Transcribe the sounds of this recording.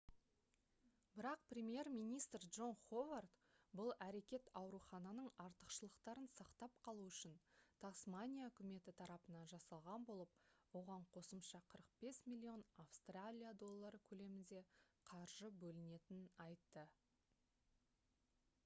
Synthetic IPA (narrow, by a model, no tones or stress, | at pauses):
bɪɾɑq̚prʲe̞mʲije̞rmijnijst̪rdʒo̞nχovart̪bʊlˠæɾe̞kʲe̞t̪ɑwɾuχɑnɑnəɴɑɾt̪əqʃəlˠəqt̪ɑɾənsɑqt̪ɑp̚qʰɑlˠuʏʃɪnt̪ʰɑsmanʲijaɵkʲɪme̞t̪ɪt̪ʰɑɾɑpənɑnʒɑsɑlˠʁɑnbo̞lˠəp̚wo̞ʁɑɴqʰo̞səmʃɑqʰəɾəq̚b̥e̞smʲilʲːio̞nafst̪ralʲijad̪o̞lˠːɑɾəkʲʰɵle̞mɪnd̪e̞qʰɑɾʒəbɵlɪne̞t̪ɪnɑjt̪ːə